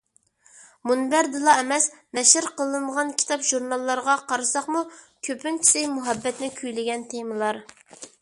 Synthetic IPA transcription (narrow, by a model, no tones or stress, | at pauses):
munbæɾd̪ɨlˠɑɛmɛsnɛʃɪɾqəlˠɨməʁɑnkʲʰi̥t̪ʰɑpʒuɾnɑlˠːɑɾʁɑqʰɑɾɨsɑχmu | kʲʰøpynt͡ʃʰi̥sɪjmuɦɛbːɛt̪nɪkʲʰyjlɪɡʲɛnt̪ʰemɨlˠɑɾ